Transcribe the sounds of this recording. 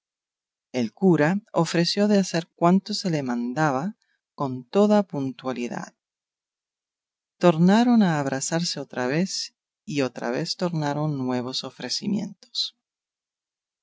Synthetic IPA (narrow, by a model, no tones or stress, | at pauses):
elkuɾaofɾe̞sjo̞ðease̞ɾkwant̪o̞se̞lemãnd̪aβa | ko̞nt̪o̞ðapunt̪waliða̰ð | t̪o̞ɾnaɾo̞naːβ̞ɾasaɾse̞ot̪ɾaβ̞e̞s | io̞t̪ɾa̰β̞e̞st̪o̞ɾnaɾo̞nːwe̞β̞o̞so̞fɾe̞simjẽ̞̰nt̪o̥s